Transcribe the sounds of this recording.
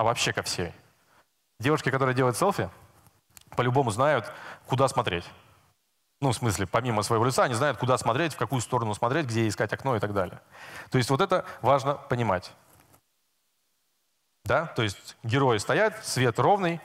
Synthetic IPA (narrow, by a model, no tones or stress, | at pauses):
ɐvɐpɕːe̞kɐfsʲḛ | dʲevʊʂkʲɪkɐt̪o̞ɾɨjədʲeəjʊt̪sɛlˠfʲɪ | pəlʲʊbo̞mʊznajʊt̪kʊd̪asmɐt̪ɾʲetʲ | nufsmɨsʲlʲɪpɐmʲiməsvəjɪvolɪt̪saɐnʲiznajʊt̪kʊd̪asmɐt̪ɾʲetʲfkɐkujʊst̪o̞ɾənʊsmɐt̪ɾʲet̚ʲɡdʲejeɪskatʲɐkno̞ɪt̪aɡd̪alʲɪ̰jət̪oɪsʲtʲvot̪ɛt̪əvaʐnəpənʲɪmatʲ | d̪at̪o̞ɪsʲt̚ʲɡʲɪɾo̞jɪst̪ɐjat̪svʲe̞t̪ro̞vnɨj